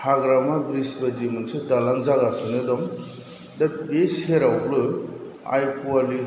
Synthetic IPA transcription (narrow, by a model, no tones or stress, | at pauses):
hʰaɡɾamabɾisbad͡ʒimɯnsɯdalaŋzaɡasɯnɯdɔm | dabesheɾawplɯ | a̰jpuali